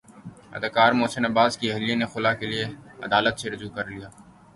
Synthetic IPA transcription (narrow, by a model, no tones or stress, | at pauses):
ɐ̰d̪əkaːɾmoːsənɐbaːzkiɛɦlijẽnexʊlakelieɐ̰d̪aːlət̪seɾʊd͡ʒuːkɐɾlijaː